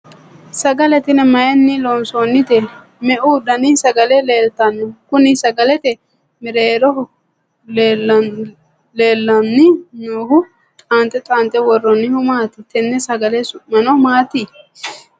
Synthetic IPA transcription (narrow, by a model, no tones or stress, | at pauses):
sɐɡɐlɛt̪ɪnɛmɐjɛnːɪloːnsonːɪt̪ɛ | mɛʔʊd̪ɐnɪsɐɡɐlɛleːlt̪ɐnːɔkʊnɪsɐɡɐlɛt̪ɛ | mɪɾeːɾɔ | lː | le̞ːlːɐnːɪnoːhʊ | t̪ʼaːnt̪ʼɛt̪ʼaːnt̪ʼɛwɔrːɔnːɪhʊmaːt̪ɪt̪ɛnːɛsɐɡɐlɛmɐnɔmaːt̪ɪ